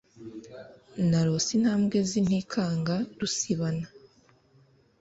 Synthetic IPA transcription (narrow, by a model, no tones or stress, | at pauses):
naɾo̞sin̥haːmɡe̞zin̥hikʰaːŋɡaɾusiβana